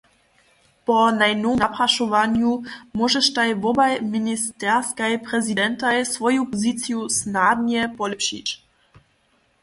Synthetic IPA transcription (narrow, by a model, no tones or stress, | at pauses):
pɔnajnownapɾaʃɔvaɲumɔʒɛʃt̪ajvɔbajminist̪ɛʁskajpɾɛzidɛnt̪ajsvɔjupɔzit̪sijusnadɲɛpɔlɛpɕḭt͡ɕ